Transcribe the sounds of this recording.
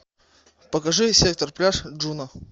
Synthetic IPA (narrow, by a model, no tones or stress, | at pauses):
pəkɐʐɨsʲe̞k̚t̪ərplʲaʂʐunə